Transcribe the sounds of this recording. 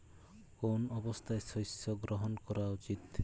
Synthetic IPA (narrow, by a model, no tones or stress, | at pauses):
konɔbɔst̪ʰaesɔjsɔɡɾɔɦɔnkɔɾaut͡ʃit̪